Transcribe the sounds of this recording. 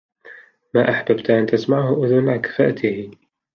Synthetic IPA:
maːʔaħbabt̪ʔant̪asmaʕhʊʔʊðʊnʕakḁfaːʔt̪ʰɪh

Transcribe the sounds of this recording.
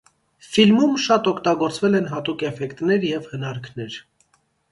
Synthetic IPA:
filmumʃɑt̪ɔkʰt̪ɑɡɔɾt͡svɛlɛnɦɑt̪ukɛfɛkt̪nɛɾjɛvhənɑɾkʰnɛɾ

